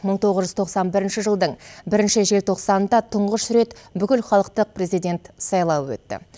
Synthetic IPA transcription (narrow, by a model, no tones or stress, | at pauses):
məɴt̪ʰo̞ʁəzʒʏzt̪ʰo̞qsɑnbɪɾɪnʃɪʒəlˠd̪əɴbɪɾɪnʃɪʒe̞lt̪ʰo̞qsɑnənd̪ɑt̪ʰʊɴʁəʃʏɾe̞t̪bʏkʲɪlχɑlˠəq̚t̪əq̚pre̞zijd̪ʲe̞nt̪sɑjlˠɑpwɵ̰t̪ːɪ̰